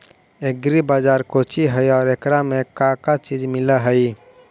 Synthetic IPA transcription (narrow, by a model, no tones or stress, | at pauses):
eɡɾibaːd͡ʒaːɾkot͡ʃiɦəjɔːɾekɾamẽkakat͡ʃid͡ʒmɪlaɦəj